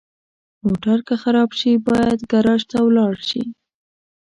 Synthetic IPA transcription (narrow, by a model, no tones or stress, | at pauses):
moʈaɾkəxaɾɑbʃibɑjad̪ɡaɾɑʒt̪awlɑɽʃḭ